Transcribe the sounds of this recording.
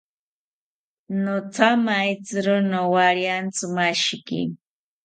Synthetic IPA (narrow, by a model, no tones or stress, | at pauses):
nʊt͡samait͡sɨɾʊnowaɾjant͡sʊmaʃkḭ